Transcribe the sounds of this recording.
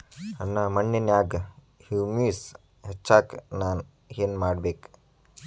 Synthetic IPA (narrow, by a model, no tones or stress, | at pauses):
ɐnːamɐɳːɐnjaːɡ | hiːmiːs | het͡ʃːaːknaːn | ɦeːnmaːɽbeːk